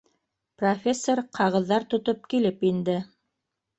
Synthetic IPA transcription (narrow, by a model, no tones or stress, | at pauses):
profʲesːoɾqʰɑʁɤ̆ðːɑɾt̪ŏt̪op̚kilɘpind̪ɘ